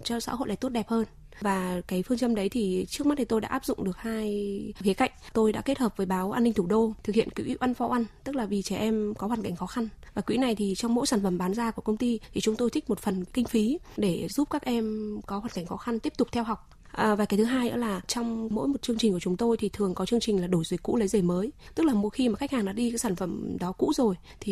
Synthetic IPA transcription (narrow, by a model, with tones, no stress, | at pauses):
t͡ɕɔ˧sa̰ː˧˥ɦo̰˧˨jlʔaː˧˩t̪o˦˥t̚ɗɛ˨˩p̚həː˧n | vaː˨˩kaː˨˦jfɨ˧əŋt͡ɕə˧mɗə˨˦jt̪ʰi˨˩t͡ɕɨ˦˥k̚ma˦˥t̚tʰi˨˩t̪o˧jɗa̰ː˧˥ʔaː˦˥pzʊ̰˧˨ŋ͡mɗɨ˨˩ək̚haː˧jkxi˨˦ka̰˧˨jŋ̟t̪o˧jɗa̰ː˧˥ke˦˥t̚həː˨˩p̚vəː˨˦jɓaː˨˦wʔaː˧nːï˧ŋ̟t̪ʰu˧˩ɗo˧t̪ʰɨ˨˩k̚hḭ˧˨ə˨nki˨˦wʔḭ˧˦˥ʔa˧nfɔ˨˦ʔa˧nt̪ɨ˦˥k̚laː˨˩vi˨˩t͡ɕɛ˧˩ʔɛ˧mkɔ˨˦hwaː˨˩nka˧˩jŋ̟xɔ˨˦xa˧nvaː˨˩kwḭ˧˥na˨˩jt̪ʰi˨˩t͡ɕɔ˧wŋ͡mmo̰˧˥jsaː˧˩nfə˧˩mɓaː˨˦nzaː˧ku˧˩əkə˧wŋ͡mt̪i˧t̪ʰi˨˩t͡ɕʊ˨˦ŋ͡mt̪o˧jt̪ʰi˦˥k̟̚mo˨˩t̚fə˨˩nkï˧ŋ̟fi˨˦ɗe˧˩zu˦˥p̚kaː˦˥k̚ʔɛ˧mkɔ˨˦ha˨˩nka˧˩jŋ̟xɔ˨˦xa˧nt̪i˦˥əp̚t̪ʊ˨˩k͡p̚t̪ʰɛ˧wɦa˨˩wk͡p̚ | ʔvaː˨˩ka˨˦jt̪ʰɦaː˧jʔə̰˧˥laː˨˩t͡ɕɔ˧wŋ͡mmo̰˧˥jmo˨˩t̚t͡ɕɨ˧əŋt͡ɕi˨˩ku˧˩ə˨t͡ɕʊ˨˦ŋ͡mt̪o˧jt̪ʰi˨˩t̪ʰɨ˨˩əŋkɔ˨˦t͡ɕɨ˧əŋt͡ɕï˨˩ŋ̟laː˨˩ɗo˧˩jzəː˨˦jkṵ˧˥lə˨˦jze˧˩məː˨˦jt̪ɨ˦˥k̚laː˨˩mo˨˧˦xi˧maː˨˩xa˦˥k̟haː˨˩ŋɗa̰ː˧˥ɗi˧kaː˨˦jsaː˧˩nfə˧˩mɗɔ˨˦kṵ˧˥zo˨˩j | t̪ʰi˨˩